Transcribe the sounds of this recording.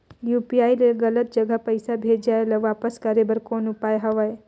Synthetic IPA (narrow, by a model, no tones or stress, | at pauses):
jupiaːjleɡɐlət̪̚d͡ʒəɡapəjsabʱed͡ʒaelaʋapəskaɾebəɾkoːnʊpajɦɐʋaj